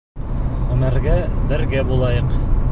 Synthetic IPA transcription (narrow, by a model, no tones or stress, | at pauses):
ʁɵmæɾɡæbɘ̆ɾɡæbulˠɑjɤq